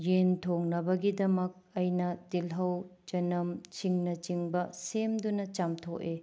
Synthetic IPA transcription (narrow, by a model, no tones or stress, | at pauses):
jentʰoŋnɐbɐɡidɐmɐk̚ɐjnɐtilɦɐwd͡ʒɐnɐmt͡ʃiŋnɐt͡ʃiŋbɐsemd̪unɐt͡ʃamtʰoʔe